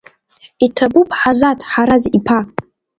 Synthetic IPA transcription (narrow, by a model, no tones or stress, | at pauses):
itʰabupʰʼħazatʰʼħaɾazipʰa